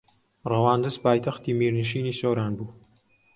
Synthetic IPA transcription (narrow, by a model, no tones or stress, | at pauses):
rɐwaːnd̪ɨzpʰaːjt̪ʰɐχt̪iːmiːɾnɨʃiːnisoːɾaːnbuː